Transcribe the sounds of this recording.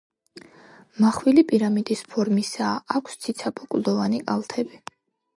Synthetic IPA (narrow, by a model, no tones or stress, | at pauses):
maχwilipʼiɾamid̪ispʰɔɾmisaːkʷʰst̪sʰit̪sʰapʰʼɔkʼlˠd̪ɔvanikʼalˠt̪ʰɛbi